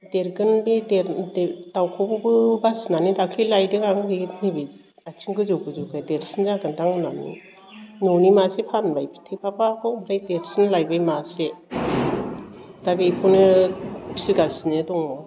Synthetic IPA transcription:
deɾɡɯnbedeɾdawkʰɔbɯbɯbasnanidakʰlilajdɯŋaŋɡinibi | atʰiŋɡɯzɯwɡɯzɯwɡɯdeɾsɯnzaɡɯndaŋɯnamnḭ | nɔnimasepʰanbajpʰi̥tʰepʰapakʰɔbʰɾajdeɾsɯnlajbajmase | d̥abikʰɔnɯpʰsiɡasinɯdɔŋɔ

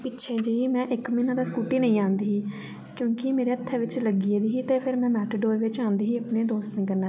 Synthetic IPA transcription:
pɪtːʃʰeːd͡ʒəiːmɛ̃ːʔɪkmiːnãːd̪aːskuːʈiːnəĩːãːnd̪iːɦiː | kjõːkɪmeːɾeːət̪ʰːɛːʋɪt͡ʃləɡiːeːd̪iːɦiːt̪eːpʰɪɾmɛ̃ːmɛːʈɖoːɾʋɪt͡ʃãːnd̪iːɦiːəpneːd̪oːst̪nĩːkəɾnaː

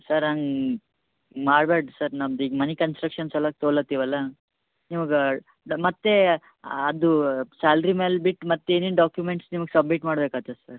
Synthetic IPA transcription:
sɐɾaŋɡ | maːɽbeːɽsɐɾnamd̪iːɡmɐnikɐnsʈɾɐkʂɐnsɛlːɐk̚t̪oːɭɐt̪ːiːʋɐlːɐ | nimuɡɐ | mɐt̪ːe̞ | ɐd̪usaːlɾimeːlbiʈːmɐt̪ːeinenɖaːkjumeɳʈsnimɐɡsɐbmiʈmaːɽbekaːt̪ɐsɐɾ

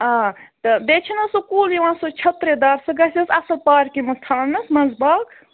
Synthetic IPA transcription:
ãːt̪ɨbeːt͡ʃʰinɐsukuːljiʋãːsot͡ʃʰɐt̪ɾed̪aːɾsɨɡɐsʲɐsɐsɐlpaːɾkimɐst̪ʰaːnnɐsmɐzbaːk

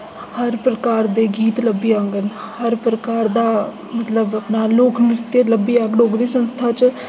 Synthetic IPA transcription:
həɾpɾəkaːɾd̪eːɡiːt̪ləbːijãŋɡən | həɾpɾəkaːɾd̪aː | mət̪ləbəpnaːloːkʰnɪɾɪt̪jeləbːiːaːɡɖoːɡɾiːsənst̪ʰaːt͡ʃ

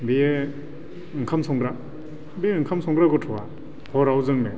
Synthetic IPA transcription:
bee | ɯŋkʰamsʰɔŋɡɾa | beeɯŋkʰamsʰɔŋɡɾaɡɔtʰɔa | hɔɾawzɯŋne

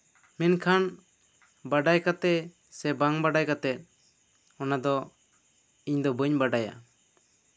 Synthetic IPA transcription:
minkʰan | baɖajkat̪ɛ | sɛbaŋbaɖajkat̪ɛt̪̚ | ɔnad̪ɔ | iɲd̪ɔbəɲbaɖaja̰

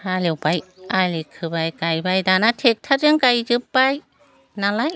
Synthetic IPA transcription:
alewbajalikʰɯbajkajbajdanatʰek̚tʰaɾɯŋkajzɯpbaj | nalaj

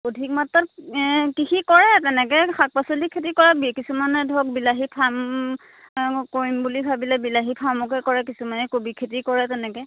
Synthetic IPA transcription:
odʱik̚matːɔtkixikɔɹɛtɛnɛkɛkʰak̚pasolikʰːet̬ikɔɹabikisumanɛdʱɔk̚bilaɦipʰam | koɹimbulibʱabilɛbilaɦipʰamɔk̬ɛkɔɹɛkisumanɛkobikʰetikɔɹɛtɛnɛkɛ

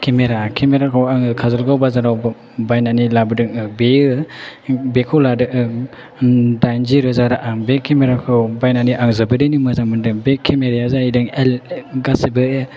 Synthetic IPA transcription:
kʰemeɾakʰemeɾakʰɯwaŋkʰazɯlɡawbazaɾaw | bajnanilabɯdɯŋɯbeɯ | bekʰɔwladɯʔɯ | dajnziɾɯzaɾaʔaŋbekʰemeɾakʰɯwbajnaniʔaŋzɯbɯdinimɯzaŋmɯndɯbekʰemeɾijazaidɯŋelɡasebɯɯ

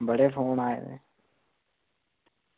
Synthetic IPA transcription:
bəɽeːfoːnaːḛːd̪ḛː

